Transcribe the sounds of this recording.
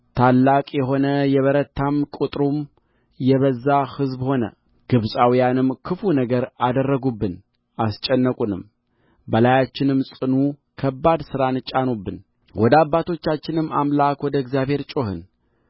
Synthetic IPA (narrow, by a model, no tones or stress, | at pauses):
t̪ʰalːakʼjɛɦo̞nəjɛβəɾət̪ʰːamkʼut̪ʼɾum | jɛβəzːahɨzbho̞nə̰ | ɡ̥ɨβsʼawijanɨmkʰɨfunəɡəɾad̪ərːəɡubːɨn | ʔast͡ʃʼɛnːəkʼunɨm | bəlajat͡ʃːɪnɨmsʼɨnukʰəbːad̪sɨɾanɨt͡ʃʼanubːɨn | wɔd̪əabːat̪ʰo̞t͡ʃːat͡ʃːɪnɨmːamlakwɔd̪əɡzjaβhe̞ɾt͡ʃʼo̞hɨ̰n